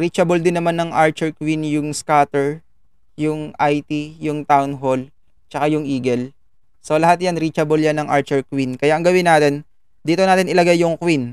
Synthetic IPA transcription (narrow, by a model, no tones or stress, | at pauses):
ɾiːt͡ʃɐbold̪ɪnːɐmanːɐŋʔaɹt͡ʃɛɹkwinjʊŋskaːt̪ɛɹ | jʊŋʔajt̪ijʊŋt̪awnɦol | t͡ʃɐkajʊŋʔiːɡɛl | solɐɦat̪janɾiːt͡ʃɐboljanːɐŋʔa̰ɹt͡ʃɛɹkwinkɐjaʔɐŋɡɐwɪnaːt̪ɛn | d̪iːt̪onaːt̪ɪnʔɪlɐɡajːʊŋkwin